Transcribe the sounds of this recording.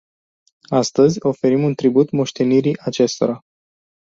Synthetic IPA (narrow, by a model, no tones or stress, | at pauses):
ast̪əzʲo̞fe̞ɾimunt̪ɾibut̪moʃt̪e̞niɾiʔat͡ʃe̞st̪o̞ɾa